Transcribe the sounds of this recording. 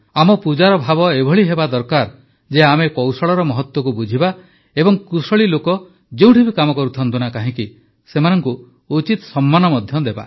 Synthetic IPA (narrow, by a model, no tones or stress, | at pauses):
amɔpud͡ʒaɾɔbʱabɔebʱɔɭiɦebad̪ɔɾkaɾ | d͡ʒeamekɔwsɔɭɔɾɔmɔɦɔt̪wɔkubud͡ʒʱiba | ebɔŋkusɔɭilokɔ | d͡ʒeũʈʰibikamɔkɔɾut̪ʰɔnt̪unakaɦĩki | semanɔŋku | ut͡ʃit̪sɔmːanɔmɔd̪ʱjɔd̪eba̰